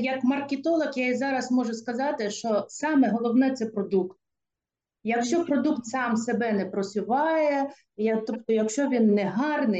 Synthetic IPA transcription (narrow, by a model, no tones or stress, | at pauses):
jɐkmɐrkʲet̪ɔlˠɐxjaizɑɾɐsmɔʒɛskɐzɑt̪ɪʃt͡ʃɔsɑmɛɦɔlˠɔwnɛt̪sɛpɾɔd̪ukt̪̚ | jɐkʃt͡ʃɔpɾɔd̪ukt̪sɑmsebɛnɛpɾɔsʲʊʋɑjɛ | jɐt̪ɔpt̪ɔjɐkʃt͡ʃɔʋʲinːɛɦɑrnɪ